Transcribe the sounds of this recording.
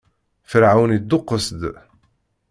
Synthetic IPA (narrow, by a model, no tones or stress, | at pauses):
fəɾʕawnid̪ːʊqːəsd̪